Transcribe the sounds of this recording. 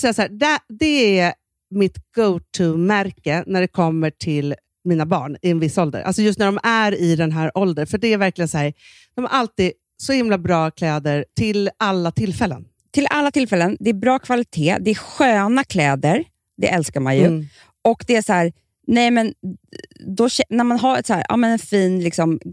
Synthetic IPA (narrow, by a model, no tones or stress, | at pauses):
sɛjasahæːɖɛd̪ɛæ | mɪt̪ɡ̥oʊt̪ʰʉmæɾkənæɖɛkʰɔmːəʈʰɪl | miːnabɑ̰ːɳɪɛnvɪsːaɔld̪ə̰ɾʔa̰lsɔjɵst̪næɖɔmæɾɪd̪ɛnɦæːɾʔɔld̪ənfœɖɛæɾvæɾklɪɡənsɔhæːɾ | d̪̥ɔmha̰ɾʔalt̪iː | sɔhɪmlabɾɑːkʰlɛːd̪əɾtʰɪlalːat̪ʰɪlfɛlːə̰n | t̪ʰɪlʔalːat̪ʰɪlfɛlːənd̪ɛːbɾɑːkʰvalɪt̪ʰeːd̪ɛæɧøːnakʰlɛːd̪əɾ | d̪ɛ̰ʔɛlskaɾma̰njɵ | ʔɔkd̪ɛæshæːɾ | nɛjmɛn | d̪ɔɕɛnæɾmanɦaɾɛt̪shæːɾʔɑ̰ːmɛnɛnfiːnlɪksɔm